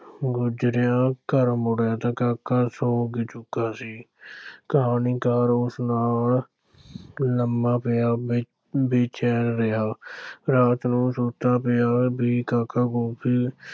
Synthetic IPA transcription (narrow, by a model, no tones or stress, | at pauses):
ɡʊd͡ʒɾɪjãːkəɾmʊɽjãːt̪ãːkaːkːaːsoːɡit͡ʃʊkːaːsiː | kəɦaːniːkaːɾʊsnaːl | ləmbãːpeaː | beːt͡ʃʰɛːɾɾɪɦaːɾaːt̪nũːsuːt̪ãːpeaːbʱiːkaːkaːɡoːpʰiː